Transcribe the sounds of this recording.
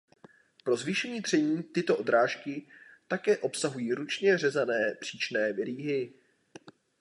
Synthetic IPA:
pɾo̞zvɪʃɛɲiːd̪r̥ɛɲiːt̪ɪt̪o̞ʔo̞d̪ɾaːʃkɪt̪akɛːʔo̞psaɦujiːɾut͡ʃɲɛr̝ɛzanɛːpr̥iːt͡ʃnɛːvɪɾiːɦɪ

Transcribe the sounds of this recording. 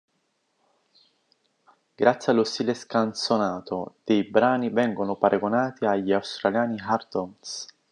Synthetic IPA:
ɡ̥ɾat̪sːjalːost̪iːleskant̪sonaːt̪od̪̥ejbɾaːnivɛŋɡonopaɾʔaɡonaːt̪iaʎːiawst̪ɾaljaːniɦart̪ɔms

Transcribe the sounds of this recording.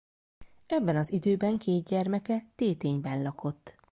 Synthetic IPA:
ɛbːɛnɒzid̪øːbɛŋkeːd̪̚ɟɛrmɛkɛt̪eːt̪eːɲbɛnlɒko̞t̪ː

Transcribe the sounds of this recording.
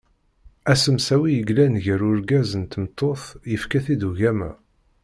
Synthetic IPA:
æsəmsæwijəɡlænʝəɾʊɾɡæzənt̪əmt̪ˤʰːoθjəfkæθid̪uʝæmæ̰

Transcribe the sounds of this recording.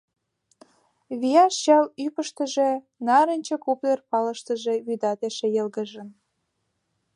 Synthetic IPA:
βijɑʃɕɑlypəʃt̪ə̆ʒe | nɑɾənʲt͡ɕəkuplerpɑlə̆ʃt̪ə̆ʒe̽βyd̪ɑt̪eʃĕjə̆lɣə̆ʒə̆n

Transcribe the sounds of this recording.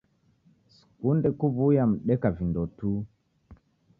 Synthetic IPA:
skundɛkuβujam̩ɗɛkavindɔtu

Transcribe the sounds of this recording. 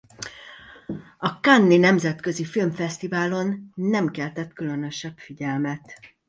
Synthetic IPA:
ɒkanːinɛmzɛt̪kø̞zifilmfɛst̪ivaːlo̞nːɛmkɛlt̪ɛt̪kylø̞nøʃɛbfiɟɛlmɛt̪

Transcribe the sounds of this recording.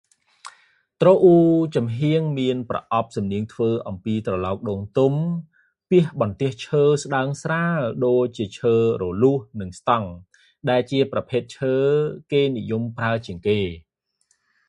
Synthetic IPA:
t̪roːʔuːt͡ɕɑmɦiəŋmiənprɑ̰ʔɑp̚sɑmniəŋt̪ʰʋəːʔɑmpiːt̪rɑlɑɔk̚ɗoːŋt̪um | piəhɓɑnt̪ĭəht͡ɕʰəːsɗaəŋsraɗoːc̚t͡ɕiət͡ɕʰəːrɔːluəhnɨŋst̪ɑŋ | ɗaɛlt͡ɕiəprɑpʰeːt̪̚t͡ɕʰəːkeːnijumpraət͡ɕiəŋkeː

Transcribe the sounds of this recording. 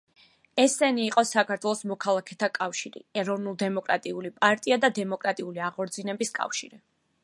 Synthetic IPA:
ɛsːɛniːqʼɔsakʰaɾt̪ʰwɛlˠɔsmɔkʰalˠakʰɛt̪ʰakʼafʃiɾḭɛɾɔvnulˠd̪ɛmɔkʼɾa̰t̪ʼiulipʼaɾt̪ʼiad̪ad̪ɛmɔkʼɾat̪ʼiuliaʁɔɾd̪zinɛbiskʼa̰fʃḭɾi

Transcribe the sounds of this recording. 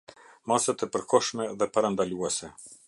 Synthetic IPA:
masat̪ɛpəɾkɔʃmɛðɛpaɾand̪aluɛsɛ

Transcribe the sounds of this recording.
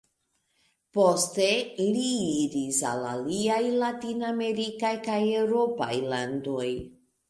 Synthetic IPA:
posteiliiɾisa̰la̰liajlatiname̞ɾikajkajewɾo̞pa̰jlando̞j

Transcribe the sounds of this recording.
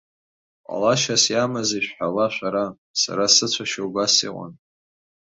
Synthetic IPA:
qʷʼa̰laʃasjamaziʃʷᶣħawaʃʷaɾa | sa̰ɾasɨt͡ɕʷʰaʃowɡasḭqʷʼa̰n

